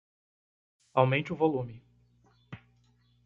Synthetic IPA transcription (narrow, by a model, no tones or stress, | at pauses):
awmẽnt͡ʃɪʊvolũmɪ